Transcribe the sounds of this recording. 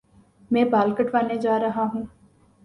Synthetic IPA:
mɛ̃ːbaːlkəʈʰʋaːned͡ʒaːɾɐɦaɦũː

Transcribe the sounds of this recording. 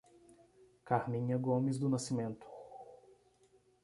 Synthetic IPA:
kaɾmĩɲɐɡõmɪzd̪ʊnasimẽnt̪ʊ̥

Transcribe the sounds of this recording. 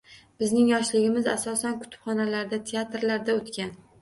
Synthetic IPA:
b̥ɪznɪŋjɒʃlɪɡʲɪmɪza̰sɒsankʰʊ̥t̪ʰʊ̥pχɒnalaɾd̪at̪ʰeat̪ɾlaɾd̪aot̪kʲan

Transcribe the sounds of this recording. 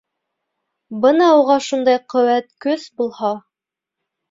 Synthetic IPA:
bɤnɑuʁɑʃund̪ɑjqɵ̆wæt̪̚kɵsbulˠhɑ

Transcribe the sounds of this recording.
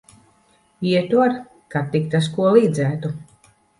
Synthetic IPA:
iɛt̪uaɾ | kat̪ːikt̪as̬kuɔlˠiːd̪zæːt̪u

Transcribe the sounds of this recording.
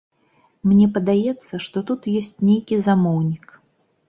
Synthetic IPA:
mnʲɛpɐd̪ajɛt̪sːɐʂt̪ɔt̪ut̪jɔsʲt͡sʲnʲejkʲizamɔwnʲik

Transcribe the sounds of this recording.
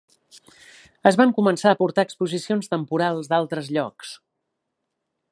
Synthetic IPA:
əzβaŋkumənsaəpuɾt̪aəkspuzisionst̪əmpuɾalˠzd̪alˠt̪ɾəzʎɔks

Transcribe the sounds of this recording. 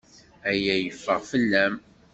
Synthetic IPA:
æjæjəfːəʁfəlːæm

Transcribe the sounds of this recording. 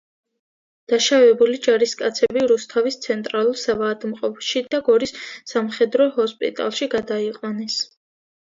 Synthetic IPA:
d̪̥aʃavɛbulid͡ʒaɾiskʼat̪sʰɛbiɾust̪ʰavist̪sʰɛnt̪ʼɾalˠuɾsavaːd̪mqʼɔpʰʃid̪aɡɔɾisːamχɛd̪ɾɔɦɔspʼḭt̪ʼa̰lˠʃiɡad̪aiqʼwanɛs

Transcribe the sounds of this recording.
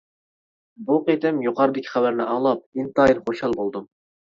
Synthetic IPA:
buqet̪ɪmjuqʰɑɾɨd̪ɪkʲʰi̥χæwæɾnɪʔɑːlˠɑp̚int̪ɑiɾχoʃɑlˠbolˠd̪um

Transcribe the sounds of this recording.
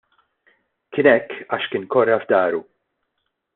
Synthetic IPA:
kɪnɛkːɐːʃkɪːnkɔrːɐvd̪ɐːɾu

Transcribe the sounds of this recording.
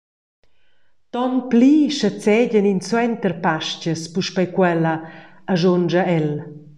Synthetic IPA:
t̪ɔnpliʃət͡sɛɟəninswɛnt̪ərpaʃcəspuʃpɛjkwɛlə | aʒond͡ʒəɛl

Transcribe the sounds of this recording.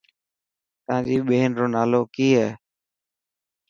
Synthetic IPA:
t̪əãːd͡ʒiːɓeːnɾoːnaːloːkiːɦɛː

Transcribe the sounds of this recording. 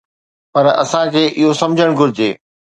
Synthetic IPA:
pɐɾɐ̰sãkʰeːʔɪɦosɐ̃md͡ʑʱəɽ̃ɡʱʊɾɪd͡ʑeː

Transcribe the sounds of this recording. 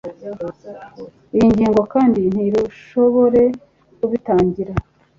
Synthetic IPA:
ijiɲɟiːŋɡo̞kaːndin̥hiɾuʃo̞βo̞ɾe̞ | kuβitaːɲɟiɾa

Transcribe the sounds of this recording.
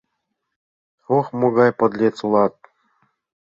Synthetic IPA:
oχmuɡɑjpɤ̆d̪lʲet̪t͡sulˠɑt̪̚

